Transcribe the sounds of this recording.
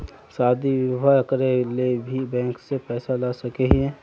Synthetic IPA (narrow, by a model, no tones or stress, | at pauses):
saːd̪ʱiwʊbʱakɾelebʱibɛ̃ːŋksepɛːsalasɐkeɦiɦɛ̃ː